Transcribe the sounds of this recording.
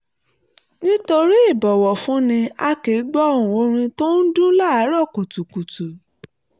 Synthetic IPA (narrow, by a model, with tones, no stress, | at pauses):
nĩ˦to˧ɾi˦i˦˨bɔ˨wɔ˨fũ˨˦nĩ˧a˧ke˨˦ɡ͡bɔ˦ɔ˦˨ɾ̃ũ˨o˧ɾ̃ĩ˧to˦n̩˦dũ˦la˦˨a˨˦ɾɔ˦˨ku˨tu˨ku˨tu˨